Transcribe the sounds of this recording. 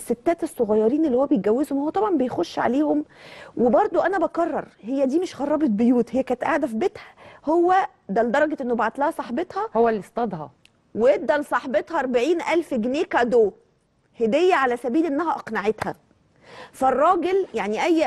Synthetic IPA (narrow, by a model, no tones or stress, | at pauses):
sːet̪ːæːt̪esˤːoɣɑjːɑɾiːnelːihowːæbejɡæwːezhomhowːæt̪ˤɑbʕɑmbejxoʃːʕa̰leːhomwebɑɾˤd̪ˤoʔænæbɑkɑrˤːɑ̰ɾˤhejːæd̪iːmeʃɣɑrˤːɑbet̪̚bejuːt̪hejːækæːnet̪ʔaʕd̪æfibet̪hæ̥howːæ | d̪æld̪ɑɾˤɑɡeʔenːobaʕt̪læhæsˤɑħbet̪hɑhowːælːist̪ɑd̪hɑ̰ | weet̪̚d̪ælsˤɑħbet̪hɑʔɑɾˤbaʕiːnʔælfɡneːkæd̪oː | hed̪ejːæʕalæsæbiːlʔenːæɦæʔɑqnaʕet̪hæ | færˤːɑːɡeljaʕniʔæjː